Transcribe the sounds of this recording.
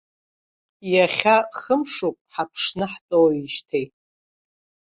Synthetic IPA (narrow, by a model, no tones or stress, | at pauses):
jaχʲaχəmʂopʼħapʰʂnɨħtʼowiʃtʰejtʼ